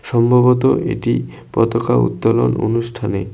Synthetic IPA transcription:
ʃɔmbʱaβot̪oʔeʈi | pɔt̪okaṵt̪ːolono̰nuʃʈʰane

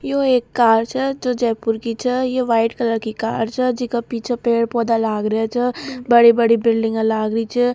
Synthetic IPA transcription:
joeːkːaːɾt͡ʃʰɛd͡ʒoːd͡ʒɛːpʊɾkit͡ʃʰɛjeʋaːɪʈkɐləɾkika̰ːɾt͡ʃʰɛd͡ʒɪkapiːt͡ʃʰepeːɽpɔːd̪alaːɡɾɐjat͡ʃʰɛbɐɽibɐɽibɪlɖɪ̃ŋɡãlaːɡɾəit͡ʃʰɛ

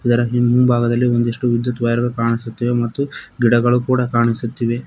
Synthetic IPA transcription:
id̪ɐɾɐɦimːubʱaːɡɐd̪ɐlːiond̪eʂʈuʋid̪jut̪ʋɐjɐɾɐɡɐkaːɳisut̪ːiʋemɐt̪ːuɡiɽɐɡɐɭukuːɽɐkaːɳisut̪ːiʋe̞

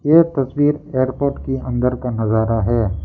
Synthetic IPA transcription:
jeːt̪ɐswiːɾeːəɾpoːɾʈkiɐ̃nd̪əɾkanɐzaːɾaɦɛː

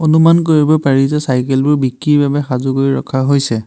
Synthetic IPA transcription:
onumankoɹibɔpaɹizɛsajkɛlbʊɹbikɹibabɛxazukoɹiɹɔ̰kʰaɦojsɛ

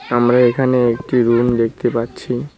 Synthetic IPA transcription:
amɾaekʰaneek̚ʈiɾund̪ek̚ʰt̪epaɾːɕʰi

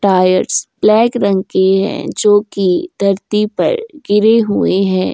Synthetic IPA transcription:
ʈaːjəɾʈsb̥lɛːkɾɐ̃ŋkeɦɛ̰̃d͡ʒoːkid̪ʱɐɾt̪ipɐ̰ɾɡɪɾeɦʊeɦɛ̃ː

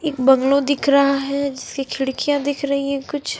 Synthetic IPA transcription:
eːkbɐ̃ŋɡlod̪ɪkʰɾɐɦaɦɛd͡ʒɪskekʰɪɽkijãd̪ɪkʰɾɐɦiɦɛ̃kʊt͡ʃʰ

